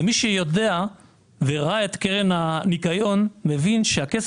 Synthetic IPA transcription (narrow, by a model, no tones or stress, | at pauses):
miʃejo̞de̞a | veʁaae̞t̪keʁenhanikajo̞nme̞vinʃeakes